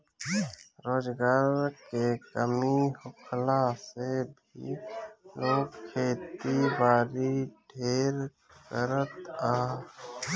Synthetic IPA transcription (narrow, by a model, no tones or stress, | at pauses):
ɾoːd͡ʒɡaːɾkekəmihʊkʰlasebʱḭloːɡkʰeːt̪ibaːɾiɖʱeːɾ | kəɾət̪aː